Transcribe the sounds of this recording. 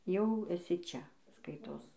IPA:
jɛʊ ɛˈsʲɪ ˈt͡ʃʲɛ ˈskɐɪtoːs

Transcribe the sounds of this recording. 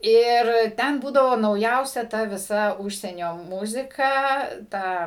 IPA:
ɪr ˈtʲɛn ˈbuːdɐʋoː nɐʊˈjɛʊsʲɛ ˈtɐ ʋʲɪˈsɐ ˈʊʃʲsʲiɛnʲoː ˈmʊzʲɪkɐ ˈtɐ

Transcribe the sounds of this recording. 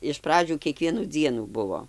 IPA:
ɪʃ ˈprɑːd͡ʒʲuː kʲiɛˈkʋʲiɛnuː ˈd͡zʲiɛnuː ˈbʊʋoː

